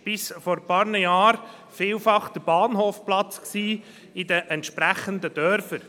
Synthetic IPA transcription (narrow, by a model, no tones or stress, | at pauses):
b̥ɪsfɔɾpɑːɾnəjɑːɾ | fiːlfɑχd̥̪əb̥ɑːnɦoːfplɑt͡sksiː | ɪdəʔɛnt̪ʃpɾæχənd̪əd̥̪œɾfəɾ